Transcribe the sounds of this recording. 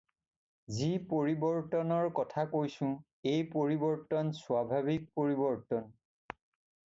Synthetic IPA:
zipoɹibɔɹtɔnɔɹkɔtʰakojsʊ̃ | ejpoɹibɔɹtɔnswabʱabik̚poɹibɔɹtɔn

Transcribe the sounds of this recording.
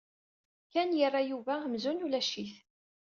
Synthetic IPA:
kænjərˤːajuvæəmzunulæʃiθ

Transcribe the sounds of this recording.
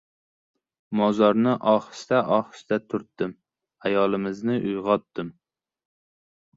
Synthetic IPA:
mɒzɒɾnɪʔɒχst̪aʔɒχɨ̥st̪at̪ʰʊɾt̪ːɪm | ajɒlˠɪmɪznɪʔʊjʁɒt̪ːɪm

